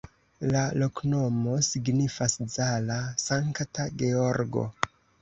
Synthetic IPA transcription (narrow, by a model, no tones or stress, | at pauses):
lalo̞kno̞mo̞siɡnifaszalasaŋktaɡe̞o̞ɾɡo̞̰